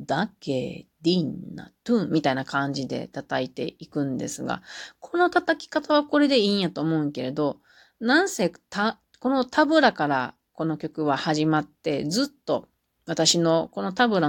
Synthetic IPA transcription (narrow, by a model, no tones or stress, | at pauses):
d̪akḛd̪̥inːa̰t̪ɯ̃mʲːit̪ainakãɲ̟d͡ʑid̪e̞̰t̪at̪ait̪e̞̰ikɯ̟̃nd̪e̞̰sɨɡa̰kʰo̞not̪at̪akʲi̥kat̪aβ̞ako̞ɾe̞d̪e̞ĩːjat̪oːmo̞ɯ̟̃ŋke̞ɾe̞d̪o̞ | nãɰ̃seːt̪a | ko̞no̞t̪ʰabɯ̟ɾakaɾa | ko̞no̞kʲo̞kɯ̟βahaʑimat̪ːe̞d͡zɨt̪ːo̞ | βat̪aɕino̞ko̞no̞t̪abɯ̟ɾa